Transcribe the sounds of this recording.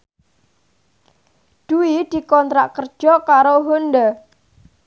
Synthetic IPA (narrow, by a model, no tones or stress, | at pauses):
d̪̥uid̪̥i̤kɔnt̪ɾaʔkərd̥ʒ̥ɔkaɾoɦond̪a